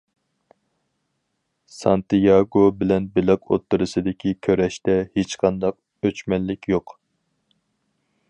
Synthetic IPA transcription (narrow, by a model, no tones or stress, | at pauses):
sɑnt̪ɨjɑɡobɪlɛnbɪlɑko̰t̪ːɨɾɨsɨd̪ɪkʲʰikʲʰøɾɛʃt̪ɛhet͡ʃqʰɑnd̪ɑq | øt͡ʃmɛnːɪkʲʰjoq